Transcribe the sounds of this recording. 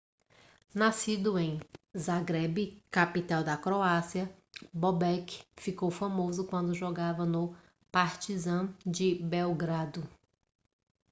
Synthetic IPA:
nasid̪ʊẽj̃zaɡɾɛbɪkapit̪awd̪ɐkɾoasiɐ | bobɛkfikowfamozʊkwɐ̃nd̪ʊʒɔɡavɐnʊ | paɾt͡ʃizɐ̃d͡ʒɪbewɡɾad̪ʊ

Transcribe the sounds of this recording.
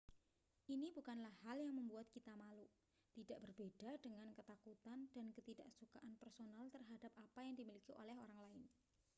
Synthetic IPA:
ʔinibukanlahːaljaŋməmbuat̪̚kit̪amaluʔ | t̪idaʔb̥ərb̥ed̥adəŋankət̪akut̪and̥ankət̪idaʔsukaʔanpɛrsonalt̪ərɦadap̚apajaŋdimilikiʔo̰lɛɦoɾaŋlaɪn

